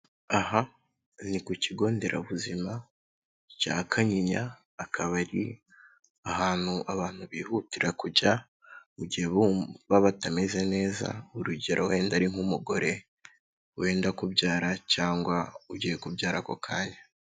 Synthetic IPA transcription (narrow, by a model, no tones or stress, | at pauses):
aha | nikuciɡo̞ːnde̞ɾʔa̰βuzima | ca̰ːkʰaɲiɲaː | kʰaβaɾi | aɦaːn̥huʔaβaːn̥huβiːhutiɾʔakuɟa | uɟiheββaβatameze̞ne̞ːza̰uɾuɟeɾowe̞ːndaɾiŋumuɡo̞ɾʔe̞ | we̞ːndakubɟaːɾacaːŋɡwauɟiːjekubɟaːɾako̞̰kʰaːɲa